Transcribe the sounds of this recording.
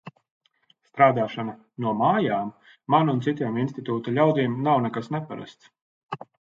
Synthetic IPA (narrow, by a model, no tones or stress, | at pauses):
st̪ɾaːd̪aːʃana | nuɔmaːjaːmː | anunt̪sit̪ʲiɛminst̪it̪uːt̪ulʲawd̪iːmnawnɛkasnɛpaɾa̰st̪s